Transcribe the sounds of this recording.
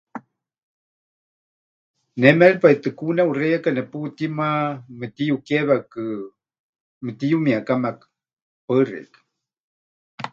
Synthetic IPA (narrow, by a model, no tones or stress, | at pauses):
nɛmɛɺpait̪ɨkunaurejakanɛput̪imamət̪ijukeβakɨ | mət̪ijumiakamakɨ̥ | pərḛk